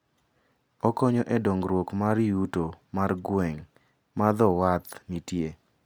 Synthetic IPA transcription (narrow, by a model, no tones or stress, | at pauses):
ɔkɔɲɔʔedoŋɡɾwokmaɾjutomarɡwɛŋ | mad̪ɔwat̪nitje